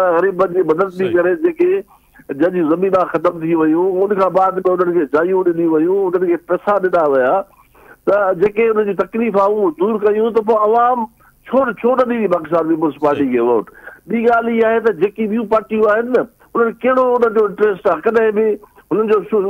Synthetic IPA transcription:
ɣɐɾiːbəd͡ʑimɐd̪əd̪̚t̪ikɐɾed͡ʑeːke | d͡ʑɐɦʄũzɐmĩːnaxɐt̪əmt̪ʰiʋɐjũʊnkʰãːbaːd̪mɪ̃ʊn̤ənɪ̆kʰed͡ʑaːijũɗɪɗijũʋɐjũʊn̤ənɪ̆kʰeːpɛːsaɗɪɗaʋɐjaː | t̪ɐd͡ʑeːkeʊnənd͡ʑiːt̪ɐkliːfaːũd̪uːɾkɐjũt̪̬ɐp̬õɐʋaːm | t͡ɕʰoːɽt͡ɕʰoːnɐɗĩipaːkɪsaːnpiːp̬əlspaːɾʈikʰeʋoːʈɓiːɡaːliaːɦet̪ɐd͡ʑeːkiɓijũpaːɾʈijũaːɦɪnɪɐ | ʊn̤ənkɐɦɪɽoʊnənd͡ʑoɪ̃ɳʈɾeːsʈakɐɗɦɪ̃bɪ | ɦʊnən̆d͡ʑoː

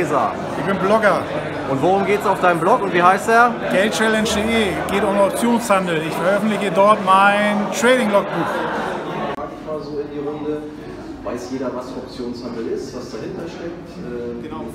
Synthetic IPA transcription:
za̰ | ʔɪçb̥ɪnblɔɡɐ | ʔʊntvoʁʊmɡeːtəsaʊfd̥aɪnəmblɔkʊntviːhaɪsteːɐɡ̥ɛlt͡ʃɛlɛnʃd̥eʔeːɡ̥eːtʊnɔp̚t͡sjoːnshandl̩ɪçfɛɐʔœfn̩tlɪçədɔɐtmaɪntʁ̥ɛːɾɪŋlɔk̚b̥uːx | aːtɪçmaːzoːɪndiːʁʊndə | vaɪsjeːɾɐvasɔp̚t͡sjoːnshandl̩ɪstv̥asd̥ahɪntɐʃtɛk̚tʔɛɡ̥ənaʊ

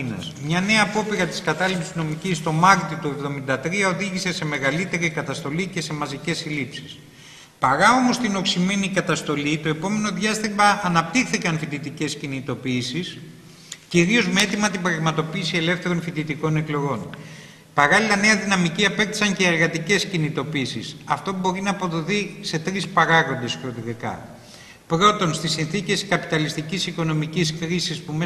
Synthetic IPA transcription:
nɐ̰smɲɐne̞ɐːpo̞piɾɐt̪i̥skɐt̪ɐlipsizno̞micist̪o̞mɐɾt̪it̪ue̞vðo̞mind̪ɐt̪ɾiɐo̞ðiʝise̞se̞me̞ɣɐlit̪e̞ɾikɐt̪ɐst̪o̞licese̞mɐzice̞silipsi̥s | pɐɾɐo̞mo̞st̪ino̞ksime̞nikɐt̪ɐst̪o̞lit̪o̞e̞po̞me̞no̞ðʝɐst̪imɐʔːnɐp̚t̪ixθikɐnfit̪it̪ice̞scinit̪o̞piːsis | ciɾio̞zmeet̪imɐt̪ibɾɐɣmɐt̪o̞piːsie̞le̞fθe̞ɾo̞nfit̪it̪iko̞ne̞klo̞ɣo̞n | pɐɾɐlilɐne̞ɐðinɐmiciɐpe̞t̪i̥sɐɲce̞ːɾɣɐt̪ice̞scinit̪o̞piiːsisɐft̪o̞bo̞ɾinɐːpo̞ðo̞θise̞t̪ɾispɐɾɐɣo̞nd̪e̞sɾot̪ɾikɐ̰ | pɾo̞t̪o̞nst̪isinθice̞skɐpit̪ɐlist̪icisiko̞no̞miciskɾisispume

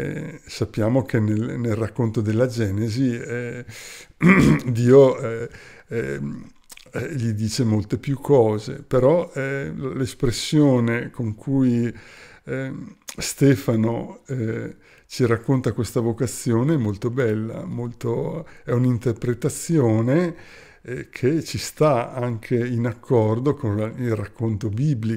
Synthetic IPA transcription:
sapːjaːmokʰenelnelrakːont̪od̪elːad͡ʒɛːneziɛ | d̪iːo | ʎid̪iːt͡ʃemolt̪epjukʰːɔːzḛpeɾɔɛlespɾesːjoːnekoŋkʰuj | st̪ɛːfanoɛ | t͡ʃiɾakːont̪akwest̪avokat̪sːjoːneɛmolt̪obɛlːa̰molt̪oɛunint̪erpɾet̪at̪sːjoːne | kʰet͡ʃist̪aaŋkʰeinakʰːɔrd̪okonilrakːont̪obibli

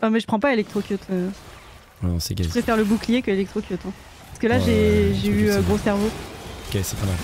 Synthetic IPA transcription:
ɛ̃mɛʒəpχɑ̃paelɛk̚t̪χokʲjøt̪ʰø | wɛnɔ̰̃sɛ̰ɡapʁɛfɛʁləbuklijekʲəelɛk̚t̪χokʲjøt̪ɛ̃ | pḁskəlaʒeʒeyøɡʁosɛʁvoɔkʲesɛpamal

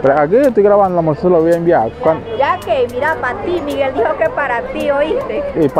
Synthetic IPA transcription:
pɾeaɡət̪uɡɾaβanlamosəlowjanbiakand͡ʒakemiɾamant̪iniɣeld̪ihokepaɾat̪ioit̪eip

